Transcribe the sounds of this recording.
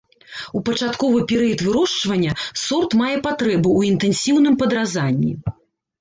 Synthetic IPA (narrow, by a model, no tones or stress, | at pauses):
upɐt͡ʂat̪kɔvɨpʲɛɾɨjɐt̪vɨɾɔʂt͡ʂvɐnʲːɐsɔrt̪majɛpat̪ɾɛbuːint̪ɛnsʲiwn̪ɨmpɐd̪ɾazanʲːḭ